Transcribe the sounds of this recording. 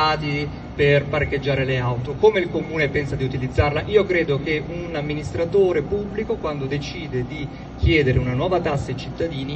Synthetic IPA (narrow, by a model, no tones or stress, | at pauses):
aːt̪i | perparked͡ʒːaːɾeleawt̪okoːmeilkomuːnepɛnsad̪iut̪ilid̪zːarlaʔiːokɾeːd̪okeunamːinist̪ɾat̪oːɾepubːlikokwand̪od̪et͡ʃiːd̪ed̪i | k̟ʰjɛːd̪eɾeunanwɔːvat̪asːat͡ʃit̪ːad̪iːni